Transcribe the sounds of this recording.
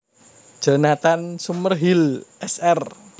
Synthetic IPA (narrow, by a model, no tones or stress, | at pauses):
d̥d͡ʒ̥a̤nat̪ansumərɦilʔɛsɛr